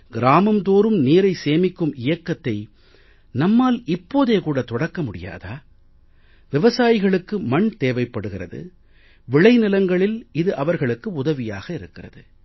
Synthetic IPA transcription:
ɡɪɾaːmɐmt̪oːɾɯmniːɾɐɪseːmɪkːɯmɪjɐkːɐt̪ːɐɪ | nɐmːaːlɪpːoːðeːkuːɽɐt̪ɔɽɐkːɐmʊɽɪ̰ja̰ːða̰ː | ʋɪʋɐsaːjɪɣɐɭɯkːɯmɐɳt̪eːʋɐɪpːɐɽɯɣɪrɐ̰ðɯ̰ | ʋɪɭɐɪnɪlɐŋɡɐɭɪlɪðɯʔɐʋɐɾɣɐɭɯkːɯʊðɐʋɪja̰ːɣɐɪɾɯkːɪrɐ̰ðɯ

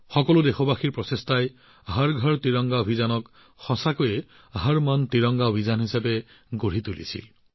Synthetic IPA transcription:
xɔkɔlʊdexobaxiɹpɹɔsestaj | ɦaɹɡʱɔɹtiɹɔŋɡaobʱizanɔk | xɔsakojɛ | ɦaɹmantiɹɔŋɡaobʱizanɦisapɛ | ɡoɹit̪ulḭsʰḭl

